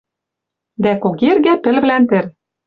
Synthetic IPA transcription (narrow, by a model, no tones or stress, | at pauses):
d̪ækoɣerɣæpɘ̆lβlænt̪ɘ̆r